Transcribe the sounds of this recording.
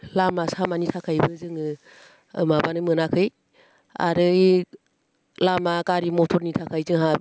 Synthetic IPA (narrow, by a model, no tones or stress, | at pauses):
lamasamanitʰakʰajbɯzɯŋɯ̰ | mabanɯmɯnakʰɯj | a̰ɾɯ | lamakaɾimɔtʰɔɾnitʰakʰajzɯŋɦab